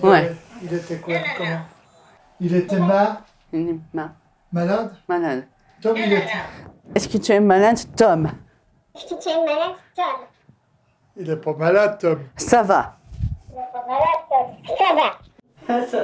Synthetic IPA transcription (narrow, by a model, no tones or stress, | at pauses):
wɛilet̪ɛkwalkɔmɑ̃ | ilet̪ɛma | inɛma | malad̪malad̪ | t̪ɔmilet̪ɛɛskət̪yɛmalad̪t̪ɔm | ɛskət̪yɛmːalad̪t̪ɔm | ilɛpamalad̪̚t̪ɔmsava̰ilɛpamalad̪̚t̪ɔmsava | sa